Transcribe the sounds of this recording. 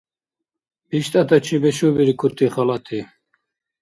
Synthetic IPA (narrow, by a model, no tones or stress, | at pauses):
biʃt̪ʼat̪at͡ʃʰibɛʃubiɾikʰuɾt̪ʰʼiχalat̪ʰi